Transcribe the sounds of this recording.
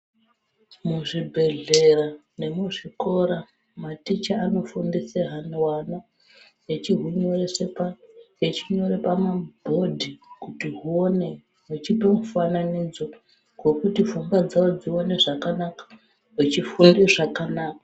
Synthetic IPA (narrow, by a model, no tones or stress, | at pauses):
muʐibʱe̞ɮe̞rane̞muʐiko̞ɾa | matit͡ʃaːno̞fundiseɦanwana | jet͡ʃiɦuɲoresepajet͡ʃiɲo̞ɾepamabʱo̞dʱikutiɦuone | ɦut͡ʃipemufananid͡zo | ɡwo̞kutifumbad͡zawod͡zione̞ʐakanakḁ | ɦit͡ʃifundeʐakanaːka